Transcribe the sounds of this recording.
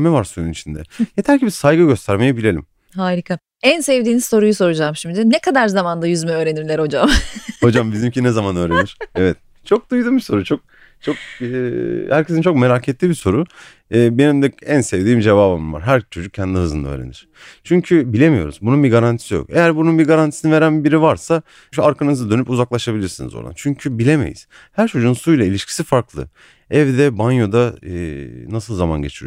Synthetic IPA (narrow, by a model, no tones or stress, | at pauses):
mɛvaɾsojunit͡ʃʰind̪ɛ̰jet̪ʰæɾcibisajɡɯɟø̞st̪ʰæɾme̞jebilʲe̞lʲim | haːɾʲikʰa | ænsevd̪iːnizso̞ɾujuso̞ɾud͡ʒaːmʃimd̪d̪inekʰad̪aɾzamand̪ajyzmɛø̞ːɾe̞niɾlʲæɾho̞d͡ʒamho̞d͡ʒambizimcinɛzamanø̞ːɾeniɾ̥evɛt̪̚ | t͡ʃʰo̞k̚d̪ujd̪ubiso̞ɾut͡ʃʰo̞k̚ | t͡ʃʰo̞k̚ː | hæɾcʰe̞sint͡ʃʰo̞k̚me̞ɾacʰet̪lʲibiso̞ɾu | ɯːbe̞nimd̪ɛænsevd̪iːmd͡ʒe̞vaːbɯmɯnva̰ɾɦæɾt͡ʃʰo̞d͡ʒuk̚cʰɛnd̪ʲiɦɯzɯnd̪aø̰jɾenḭɾ̥ | t͡ʃʰyɲcʰybilʲe̞mijo̞̰ɾṵzbununbiɡaɾant̪ʰi̥sijo̞̰ke̞jæɾbununbiɡaɾant̪ʰi̥sinive̞ɾænbiɾivaɾsa | ʃuaɾkʰanɯzad̪ø̞nypuzaklˠaʃabilʲiɾsinḭzo̰ɾˠa̰nt͡ʃʰyɲcʰybilʲe̞mḛjḭz̥ | hæɾt͡ʃʰo̞d͡ʒunsujlˠailʲiʃcʰi̥sifaɾklˠɯ̰ | ɛvd̪ɛbanjo̞d̪a | nasɯlˠzama̰nɟe̞t͡ʃʰiɾḭjo